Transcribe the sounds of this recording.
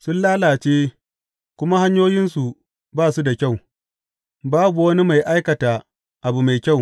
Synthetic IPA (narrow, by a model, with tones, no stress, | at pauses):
sʊ˦nlaː˦laː˨t͡ʃeː˦ | kʷʊ˦ma˦ha˦ɲjoː˦jɪ˦nsu˨ | baː˦˨su˦da˨kʲa˦˨w | baː˦bu˨wɐ˦ni˦ma˨jʔa˦jkɐ˨ta˨ | ʔa˨bu˨ma˨jkʲa˦˨w